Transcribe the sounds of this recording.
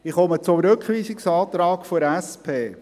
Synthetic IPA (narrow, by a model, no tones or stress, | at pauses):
ɪχɔmət͡sʊɾɵkχʋiːsɪksɑːt̪ɾɑːkfoɾɛspʰeː